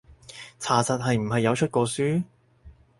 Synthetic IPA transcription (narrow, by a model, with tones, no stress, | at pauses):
t͡sʰaː˨˩t͡sɐ˨t̚ɦɐ˨jm̩˨˩ɦɐ˨jːɐ˨˧wt͡ʃʰɵ˥t̚kʷɔː˧syː˥